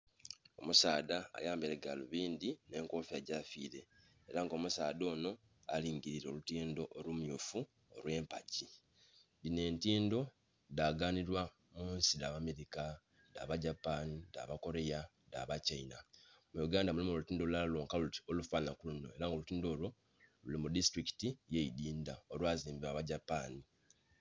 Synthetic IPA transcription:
o̞̰musaːda̰ːjaːmbeleɡaloβiːnd̪ine̞ːŋko̞ːfiaɟafḭːɾe̞ː | ɾaŋɡo̞musaːdo̞ːno̞ | aliːŋɟiɾiɾeolutiːndo̞ʔolumjufu | olwe̞ːmpaci | dine̞ːntiːndo̞ | daɡaːniɾwa | muːnsidaβame̞ɾika | da̰βaɟapanida̰βako̞ɾe̞ja | daβacainamujuɡaːndamulimolutiːndo̞lualloːŋkaluti̥olufaːnakuluno̞e̞ɾaŋɡo̞lutiːndo̞ːlo | lulimudistɾiki̥tijeidiːndaolwaːziːmbiβaβaɟapani

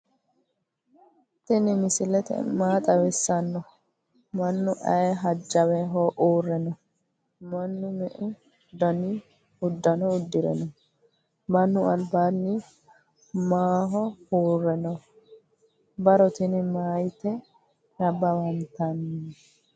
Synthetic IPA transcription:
t̪ɪnɪmɪsɪlɛt̪ɛ̰maːt̪ʼɐwɪsːɐnːɔ | mɐnːʊʔɐjɛɦɐd͡ʒːɐwɛɦoʔuːrːɛnɔ | mɐnːʊmɛʔʊ | d̪ɐni | ʊd̪ːɐnɔʊd̪ːɪɾɛ̰nɔ | mɐnːʊɐlbaːnːi | maːɦɔhuːrːɛnɔ | bɐɾɔt̪ɪnɪmaːjt̪ɛ | nɐbɐwɐnt̪ɐnː

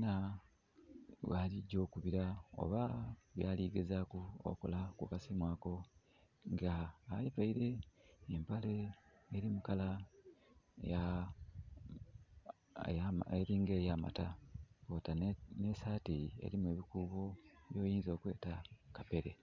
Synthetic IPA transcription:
na | waliɟo̞ːkuβiɾao̞̰βaβjaːliːɡe̞zakuo̰ko̰lakukasimwaːko̞ | ŋɡaːjevaiɾe̞empaleː | ɾimukala | ja | jaeɾiːŋɡe̞ːjaːma̰takoːtanesaːtie̞̰ɾimwe̞ːβikuːβo̞βjo̞ːjiːnzo̞ːkwe̞ːtakape̞ɾe̞̰

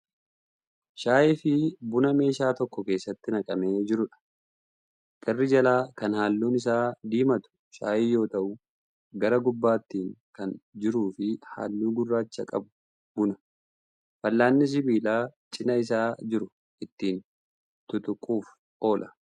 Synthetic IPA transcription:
ʃaːʔɪfɪbʊnɐme̞ːʃaːt̪ɔkːɔke̞ːsːɐt̪ːɪnɐkʼɐmeːd͡ʒɪɾʊᶑɐ̥ | kʼɐrːɪd͡ʒɐlaːkɐnhaːlːuːnɪs̬aːd̪iːmɐt̪ʊ̥ʃaːʔiːjo̞ːt̪ɐʔʊ | ɡɐɾɐɡʊbːaːt̪ːiːŋkɐnd͡ʒɪɾuːfɪha̰ːlːuːɡʊrːaːt͡ʃːɐkʼɐ̰bʊ̥ | bʊnɐ | fɐlːaːnːɪs̬ɪbiːlaːt͡ʃʼɪnɐɪs̬aːd͡ʒɪɾʊ | ʔɪt̪ːiːn | t̪ʊt̪ʊkʼuːf | o̞ːlʔɐ

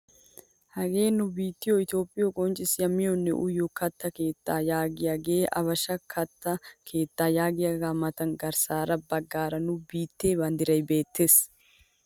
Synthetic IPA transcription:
hɐɡe̞ːnʊbiːt̪ːɪjoɪt̪jo̞ːpʼːɪjɔkʼɔnt͡ʃʼɪsjɐmɪjɔnːɛ̰ʔʊ̰jɔkɐt̪ːɐke̞ːt̪ːaːjaːɡɪjaːɡe̞ːʔɐ̰βɐʃɐkʰɐt̪ːɐkʰe̞ːt̪ːaːjaːɡɪjaɡaːmɐt̪ɐnɡɐɾsaːɾɐbɐɡːaːɾɐnʊbiːt̪ːe̞ːbɐnd̪ɪɾɐjbe̞ːt̪ːe̞ːs

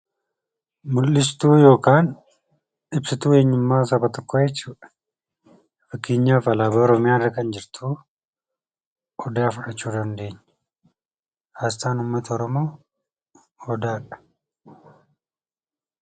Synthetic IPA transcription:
mʊlːɪst̪uːjo̞ːkaːn | ɪbsɪt̪uːe̞ːɲːʊmːaːsɐbɐt̪ɔkʰːojɛt͡ʃːuːᶑɐ̥ | fɐkːeːɲːaːfɐlaːbɐɔɾɔmɪjaːɪrːɐkɐnd͡ʒɪɾt̪ʰuː | ɔd̪aːfʊʔɐt͡ʃːuːd̪ɐnd̪e̞ːɲː | hast̪aːnʊmːɐt̪ʰɐɔɾɔmo̞ː | ɔd̪aːᶑɐ̥

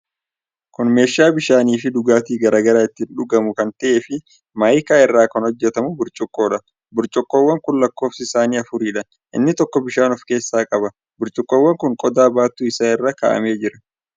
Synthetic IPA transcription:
kʊnme̞ːʃːaːbɪʃaːniːfɪd̪ʊɡaːt̪iːɡɐɾaːɡɐɾaːɪt̪ːɪnᶑʊɡɐmʊkɐnt̪ɐʔeːfɪ | mɐjkaːɪrːaːkɐnhɔd͡ʒːɛt̪ɐmʊbʊɾt͡ʃʼʊkʼːo̞ːᶑɐ | bʊɾt͡ʃʼɔkːo̞ːwːɐŋkʊnlɐkːo̞ːfsɪɪsaːniːɐfʊɾiːᶑɐ | ʔɪ̰nːɪt̪ɔkːɔbɪʃaːnɔfke̞ːsːaːkʼɐbɐ | bʊɾt͡ʃʼʊkʼːoːwːɐŋkʊŋkʼɔd̪aːbaːt̪ːuːɪsaːɪrːaːka̰ːʔɐ̰me̞ːd͡ʒɪɾɐ

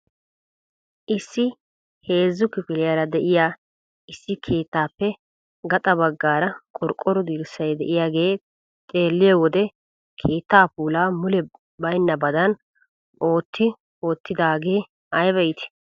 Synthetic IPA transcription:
ʔɪsːɪ | he̞ːzːʊkɪfɪlɪjaːɾɐd̪ɛʔɪjaː | ɪsːɪkʰe̞ːt̪ːaːpːɛ | ɡɐt̪ʼɐbɐɡːaːɾɐkʼɔɾkʼːɔɾɔd̪iːɾɪsɐjd̪ɛʔɪjaːɡe̞ː | t̪ʼe̞ːlːɪjɐwɔd̪ɛ | kʰe̞ːt̪ːaːpuːlaːmʊlɛ | bɐjnːɐbɐd̪ɐn | o̞ːt̪ːɪ | o̞ːt̪ːɪd̪aːɡe̞ː | ɐjbɐjɪt̪ɪ̥

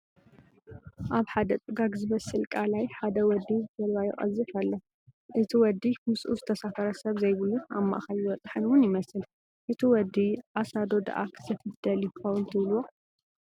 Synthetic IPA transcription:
ʔaβħad̪ɐt̪ʼɨɡaɡzɨmɐsːɨlkʼalajħad̪ɐwɔd̪izɨfɐlwajɪ̰χʼɐ̰zːɨfɐlːo | ʔɨt̪ʰiwɔd̪ːimɨsʔuzɨt̪ʰɐsafɐɾɐsɐβzɐjβɨluna̰mːa̰ʔxajiwɔt͡sʼħɨnwʊnjɪmɐsɨl | ʔɨt̪ʰiwɔd̪iʔasad̪o̞d̪a̰ʔa̰kʰɨ̥zʰɐfɨd̪̥ɐljɪkʰɐwʊnt̪ʰɨβlwo

